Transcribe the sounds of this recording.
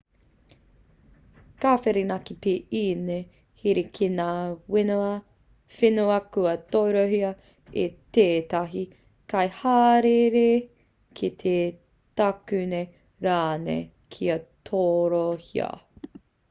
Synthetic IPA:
kaːfeɾinɐkipiʔine | hiɾikʰinaːwɪnuɐ | fenuɐkuɐtojɾoɦiɐ | eteːt̪ɐɦi | kɐjhaːɾeɾe | kʰit̪ʰe | tɐkʉne | ɾaːnḛ | kʰiɐtʰoːɾohḭɐ̰

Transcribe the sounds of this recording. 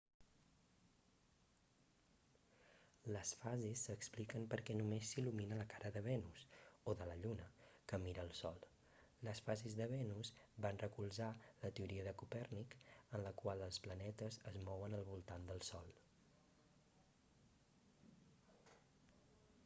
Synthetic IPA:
ləsfazisːəksplikəmpəɾkɛnumesːiluminələkaɾəðəβɛnusoðələʎunəkəmiɾəːlˠsɔlˠ | ləsfazizðəβ̞ɛnusbanrəkulˠzalət̪əuɾiəðəkupɛrnikənləkwalˠəlˠsplənɛt̪əzəzmɔwənəlˠβulˠt̪and̪əlˠsɔlˠ

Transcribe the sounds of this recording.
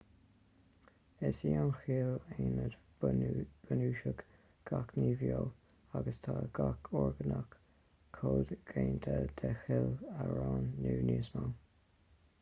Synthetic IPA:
ɪsiːanxiːleːnəd | b̥ənuːʃəɡ | ɡ̥akniːvjoː | aɡəst̪ʰaːɡakʰɔɹɡənəkʰː | oːd̪ɡ̥eːnt̪ʰəd̪̥ɛxɪləɹaːnːuːniːsma

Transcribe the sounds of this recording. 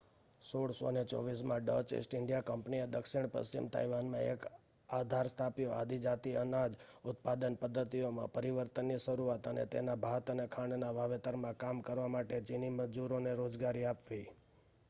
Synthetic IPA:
soɽso̰net͡ʃɔ̰ʋismãɖət͡ʃḛsʈɪɳɖijakəmpnied̪əkʃiɳ̃pə̰st͡ʃḭmt̪ʰa̰jʋanmãḛk | ad̪ʱaɾst̪ʰapjoad̪ʱid͡ʒat̪iənad͡ʒʊt̪̚pad̪ənpəd̪ʱːət̪ijomã̰pəɾiʋəɾt̪ənːjiʃəɾuat̪ənḛt̪ḛnabʱat̪ənekʰaɳnaʋaʋet̪əɾmãkamkəɾʋamaʈed͡ʒiniməd͡ʒuɾoneɾod͡ʒɡaɾiapʋi

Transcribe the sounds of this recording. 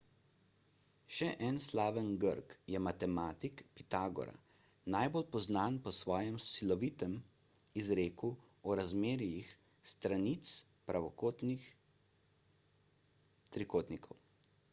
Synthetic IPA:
ʃɛʔɛnslaːʋənɡəɾkjɛmat̪ɛmaːt̪ikpit̪aːɡɔ̰ɾa̰ | najbolpɔznaːnpɔsʋɔːjɛmsilɔʋiːt̪ɛm | izɾeːku | ɔɾazmeːɾjix | st̪ɾanit̪spɾaʋɔkːt̪i | t̪ɾikoːt̪nikʰɔw

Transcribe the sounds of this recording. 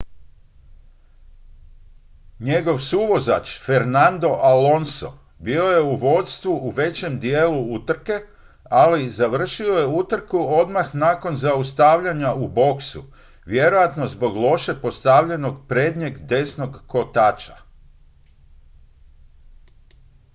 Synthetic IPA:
ɲe̞ɡo̞ʋsuʋo̞za̰t͡ʃfe̞ɾnand̪o̞ʔalo̞nso̞̰ | biːo̞je̞uʋo̞t̪st̪ʋuʔuʋe̞t͡ɕe̞md̪jeːluut̪r̩ke̞ | alizaʋr̩ʃio̞je̞ut̪r̩kuo̞d̪maxnaːko̞nzaust̪aʋʎaɲaubo̞ksṵ | ʋje̞ɾo̞jat̪no̞zbo̞ɡlˠo̞ʃe̞po̞st̪aʋʎe̞no̞ɡpɾe̞ːd̪ɲeɡd̪e̞sno̞ɡːo̞t̪aːt͡ʃa

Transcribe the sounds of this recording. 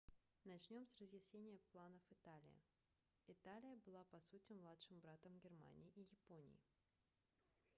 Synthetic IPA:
nɐt͡ɕnʲo̞msrəzjɪsʲnʲenʲɪjəplˠanəfɨt̪alʲɪ̰jɪ̰ | ɪt̪alʲɪjəbɨlˠapɐsutʲɪmlˠat̪ʂɨmbɾat̪əmɡʲɪrma̰nʲɪːʔɪjɪpo̞nʲɪ̰jɪ̰

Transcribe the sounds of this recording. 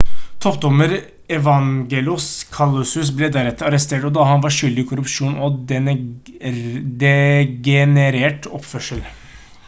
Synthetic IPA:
t̪ʰɔp̚d̪ɔməɾ | ɛʋɑŋɡɛlɪʊskʰɑlːʉsʉs̬blɛd̪æɾɛt̪ːəɾɑɾəst̪eːʈɔd̪ɑhɑnʋɑʂʏld̪ɪɪkʰʊɾʉpʂuːnɔɛ | d̪ɛɡɛnəɾeːʈɔpːfœʂəl

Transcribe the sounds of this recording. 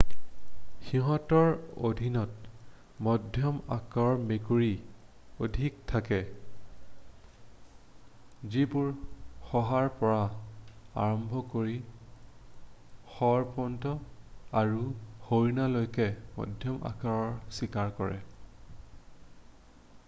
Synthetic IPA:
xiɦɔtɔɹo̰dʱinɔt | mɔdʱjɔma̰kaɹɔɹmekuɹi | odʱiktʰakɛ | zibuɹxɔɦaɹpɔɹa | a̰ɹɔmbʱɔkoɹi | xɔɹpɔntɔaɹuhojnalojkɛmɔ̰dʱjɔmʔa̰kaɹɔɹsikaɹkɔɹɛ̰

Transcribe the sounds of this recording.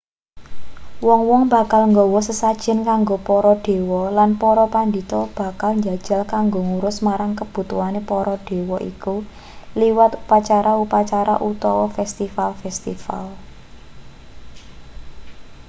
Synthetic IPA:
wɔŋwɔŋba̤kalŋɡɔwɔsəsad̥ʒ̥ɪ̤nkaŋɡopɔɾɔɖ̪̥e̤wɔlanpɔɾɔpand̪it̪ɔb̥a̤kalɲd͡ʒa̤d̥ʒ̥a̤lkaŋɡoŋuɾʊsmaɾaŋkəb̥ṳt̪uanepɔɾɔd̥e̤wɔʔḭku | liwat̪upat͡ʃaɾaupat͡ʃaɾa̰ʔut̪ɔwɔfɛst̪ifalfɛst̪ḭfa̰l

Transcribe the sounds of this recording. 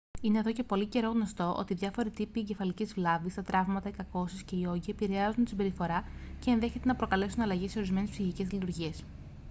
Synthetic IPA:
ine̞ːðo̞ce̞po̞lice̞ɾo̞ɣno̞st̪o̞ʔo̞̰t̪iðʝɐfo̞ɾit̪ipieɲɟe̞fɐlicizvlɐvist̪ɐt̪ɾɐvmɐt̪ɐikɐko̞sisce̞io̞ʝiepiɾe̞ɐzunt̪i̥sibe̞ɾifo̞ɾɐce̞ːnðe̞çe̞t̪e̞nɐpɾo̞kɐle̞sunɐlɐʝese̞o̞ɾizme̞ne̞spsiçice̞zlit̪uɾʝie̞s

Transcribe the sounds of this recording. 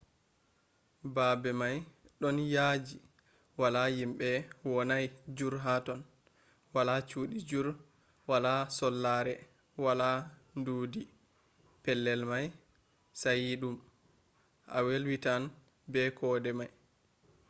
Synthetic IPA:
babɛmajɗɔnjad͡ʒi | walajimɓɛwɔnajd͡ʒuɾɦatɔn | walat͡ʃuːɗid͡ʒuɾ | walasɔlːaɾɛ | walanduːdi | pɛlːɛlmaj | sajiɗum | ʔa̰welwitan | bɛkʰɔdɛmaj

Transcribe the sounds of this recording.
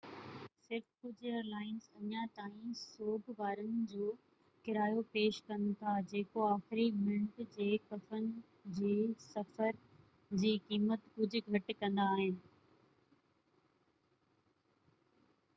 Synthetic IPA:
sɪɾfkʊd͡ʑʱʊeːɾlaːɪnzɐɲat̪aːĩsoːbʱbaːɾənɪ̆d͡ʑoː | kɪɾaːjopeːʃkɐ̃nt̪ʰad͡ʑeːkoaːxɪɾimɪ̃ɳʈd͡ʑeːkɐfənɪ̆ | d͡ʑiːsɐfəɾ | d͡ʑiːkiːmət̪kʊd͡ʑʱʊ̆ɡʱɐʈkɐ̃nd̪aːɦɪnɪ̆

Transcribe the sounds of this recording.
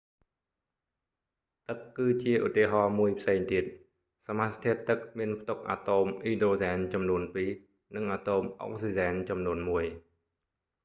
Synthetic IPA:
t̪ɨkːɨːt͡ɕiəʔut̪ːiəɦɑːmuəjpʰseːŋt̪iət̪̚ | samast̪ʰiət̪ːɨk̚miənpʰt̪uk̚ʔa̰ːt̪oːmʔiːdoːzaːnt͡ɕɑmnuənpiː | nɨŋʔaːt̪oːmʔo̰ŋ̚siːzaːnt͡ɕɑmnuənmuəj

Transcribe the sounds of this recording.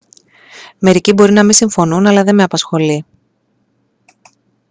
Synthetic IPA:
me̞ɾicibo̞ɾinɐmisiɱfo̞nunɐlɐðe̞me̞ɐpɐsxo̞li

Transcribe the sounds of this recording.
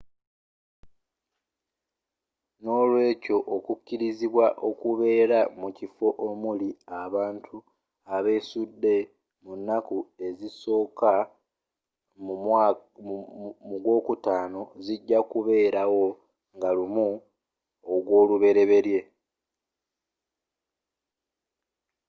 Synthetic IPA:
no̞ːlwe̞ːco̞ʔokucːiɾiziβwaʔo̞kuβe̞ːɾamucifo̞ʔomuliaβaːntʰu | aβe̞ːsudːe̞ | munːakue̞ziso̞ːka | m | muɡwo̞ːkutaːno̞ziɟːakuβe̞ːɾawo̞ | ŋɡalumu | oɡwo̞ːluβe̞ɾe̞βe̞ɾje̞

